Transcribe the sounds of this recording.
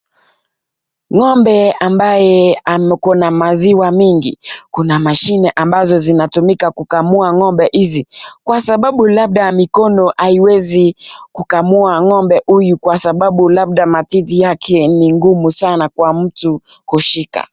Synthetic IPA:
ŋɔmbɛambajɛamkɔnamaziwamiŋɡḭkunamaʃinɛʔambazɔzinatumikakukamuaŋɔmbɛʔizikwasaɓaɓulaɓ̚ɗamikɔnɔʔaiwɛzikukamuaŋɔmbɛhujukwasaɓaɓulaɓ̚ɗamatitijakʰɛniŋɡumusanakwam̩tukuʃika̰

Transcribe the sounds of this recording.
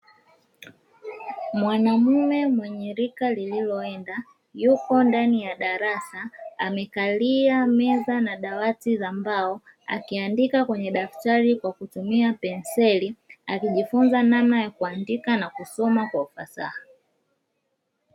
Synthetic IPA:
mwanamumɛmwɛɲɛɾikalililɔɛnda | jukɔndanijaɗaɾasaamɛkaliamɛzanaɗawatizambaɔ | a̰kiandikakwɛɲɛɗaftaɾikwakutumiapɛnsɛliakiʄifunzanamnajakuandikanakusɔmakwaufa̰sa̰ha

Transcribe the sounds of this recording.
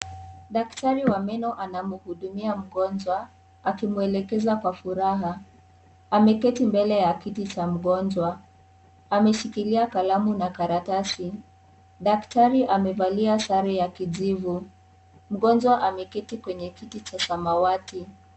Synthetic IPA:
ɗaktaɾiwamɛnɔʔanamuhuɗumiam̩ɠɔnd͡ʒwa | akimuɛlɛkɛzakwafuɾaɦa | amɛkɛtimbɛlɛjakitit͡ʃam̩ɠɔnd͡ʒwa | amɛʃikiliakalamunakaɾatasi | ɗaktaɾiʔamɛvaliasaɾɛjakiʄivu | m̩ɠɔnd͡ʒwaʔamɛkɛtikwɛɲɛkitit͡ʃasamawati

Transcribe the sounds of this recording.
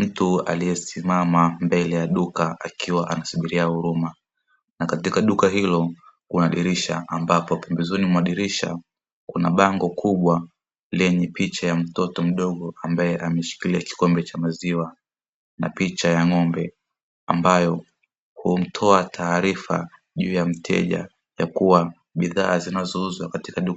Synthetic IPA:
m̩tua̰lijɛsimamambɛlɛjaɗukaakʰiwaʔanasuɓiɾiahuɾuma | nakatikaɗukaɦilɔ | hunaːɗiɾiʃa̰ʔambapɔpɛmbɛzunimwaɗiɾiʃa̰ | kunaɓaŋɡɔkʰuɓwa | lɛɲɛpit͡ʃajam̩tɔtɔm̩ɗɔɠɔambajɛʔamɛʃi̥kiliaki̥kɔmbɛt͡ʃamaziwa | napit͡ʃajaŋɔmbɛ | ambajɔ | hum̩tʰɔatʰaːɾifa̰ | ʄuːjam̩tʰɛ̰ʄa̰ | jakuwa | ɓiðaːzinazɔuzwakati̥kaɗu

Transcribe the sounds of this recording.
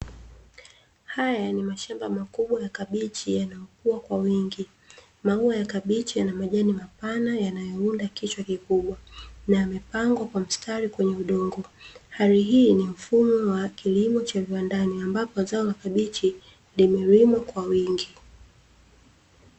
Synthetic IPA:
hajanimaʃambamakuɓwajakaɓit͡ʃijanajɔkuakwawiŋɡi | mauajakaɓit͡ʃijanamaʄanimapanajanajɔundakit͡ʃwakikuɓwanajamɛpaŋɡwakwam̩stʰaɾikwɛɲɛuɗɔŋɡɔhaɾiɦiːnim̩fumɔwakilimɔt͡ʃaviwandaniambapɔzaɔlakaɓit͡ʃi | limɛɾimwakwawiŋɡi

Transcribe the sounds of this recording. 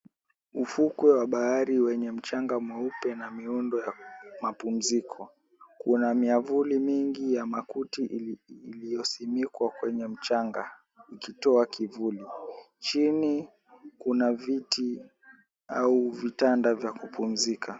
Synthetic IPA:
ufukwɛwaɓahaɾiwɛɲɛm̩t͡ʃaŋɡamwɛupɛnamiundɔjamapum̩zikʰɔ | kunamiavulimiŋɡijamakutiʔːlijɔsimikwakwɛɲɛm̩t͡ʃaŋɡa | ikitɔakʰivuli | t͡ʃini | kunaviti | auvitandavjakupum̩zikʰa

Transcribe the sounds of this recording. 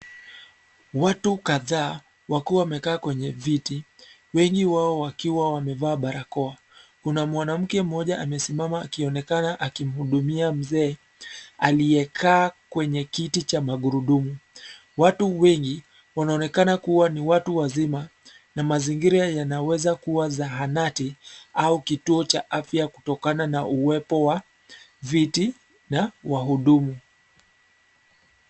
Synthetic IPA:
watukaðaː | wakuwawamɛkaːkwɛɲɛviti | wɛŋɡiwaɔwakiwawamɛvaːɓaɾakɔa | kunamwanam̩kɛm̩ɔʄaʔamɛsimamaːkiɔnɛkanaʔakim̩huɗumiam̩zɛː | alijɛkʰaːkwɛɲɛkitit͡ʃamaɠuɾuɗumu | watuwɛŋɡi | wanaɔnɛkanakuwaniwatuwazima | namaziŋɡiɾajanawɛzakuwazaɦanatiaukituɔt͡ʃaʔafjaku̥tɔkananaʔuwɛpɔwa | viti | nawaɦuɗumu

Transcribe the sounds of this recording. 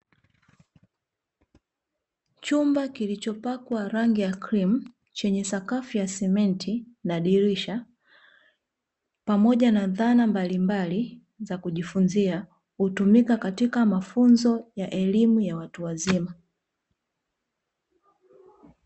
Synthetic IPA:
t͡ʃumbakilit͡ʃɔpakwaɾaŋɡijakɾim̩ | t͡ʃɛɲɛsakafijasɛmɛntʰinaɗiɾiʃa | pamɔʄanaðanambalimbali | zakuʄifunzia | hutumikakatikamafunzɔjaʔɛlimujawatuwazima

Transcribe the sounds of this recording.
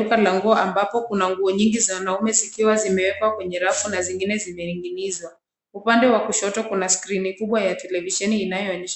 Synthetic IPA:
ukalaŋɡuɔambapɔkunaŋɡuɔɲiŋɡizawanaumɛzikiwazimɛwɛkwakwɛɲɛɾafunaziŋɡinɛzimɛiŋɡinizwa | upandɛwakuʃɔtɔkunaskɾinikuɓwajatɛlɛviʃɛniːnajɔːɲɛʃ

